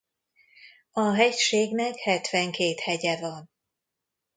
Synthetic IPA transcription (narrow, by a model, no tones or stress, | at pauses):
ɒɦɛcʃeːɡnɛkhɛt̪ʋɛŋkeːt̪hɛɟɛvɒn